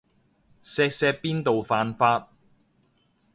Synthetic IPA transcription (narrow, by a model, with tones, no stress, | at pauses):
sɛː˧k̚sɛː˧k̚piː˥nt̪o˨wfaː˨˧nfaː˧t̚